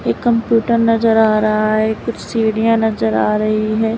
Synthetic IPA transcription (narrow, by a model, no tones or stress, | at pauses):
eːkːɐmpjuːʈəɾnɐzəɾaːɾɐɦaɦɛːkʊt͡ʃʰsiːɽijãnɐzəɾa̰ːɾɐɦiɦɛː